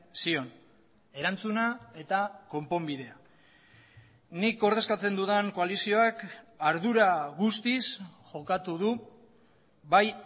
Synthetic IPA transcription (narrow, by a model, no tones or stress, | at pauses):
sio̞n | e̞ɾant͡sunae̞t̪ako̞mpo̞mbiðe̞a | nikɡo̞ɾðe̞skat͡se̞nd̪uðaŋko̞alisio̞akaɾðuɾaɣust̪isʝo̞kat̪uðu | βaj